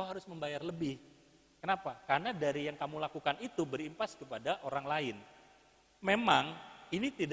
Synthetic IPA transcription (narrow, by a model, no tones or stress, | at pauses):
aɦaɾʊsməmbajarləbɪh | kənapakarnadaɾijaŋkamulakukanit̪ubəɾimpaskəpadaʔoɾaŋlaɪn | memaŋinit̪id